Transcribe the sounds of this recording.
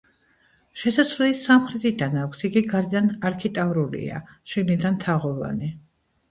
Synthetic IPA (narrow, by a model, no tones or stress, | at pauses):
ʃɛsaslisamχɾɛt̪ʰid̪anakʷʰsiɡiɡaɾɛd̪anaɾkʰit̪ʼavɾulḭa̰ʃilid̪ant̪ʰaʁɔva̰ni